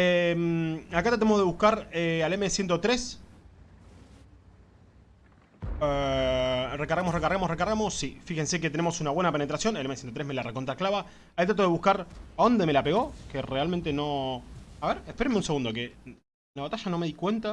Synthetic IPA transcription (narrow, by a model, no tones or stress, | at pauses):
emakat̪ɾat̪emoðe̞βuhkaɾealemesje̞nt̪ot̪ɾes | e | rekaɾɣamorekaɾɣamorekaɾɣamo̞sːifixe̞nse̞k̬et̪ene̞mo̞sunaβwe̞nape̞ne̞t̪ɾasjo̞nelemesjent̪ot̪ɾe̞ɦme̞larekont̪ɾaklaβa | ajt̪ɾat̪oðeβuhkaɾao̞nd̪e̞me̞lapeɣo̞kerealmẽnt̪eno̞aβeɾehpe̞ɾemeũnse̞ɣund̪o̞ke | laβat̪aʒano̞me̞ðikwe̞nt̪a